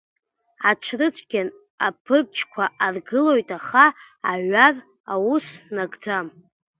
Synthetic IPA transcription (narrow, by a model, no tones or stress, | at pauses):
at͡ʃʷʰrɨt͡sʷʰʼɡʲan | a̰pʰɨrt͡ʃʰʼkʷʰaʔarɡɨlo̞jtʰʼaχaː | ʕar | awusnaɡʼd͡zam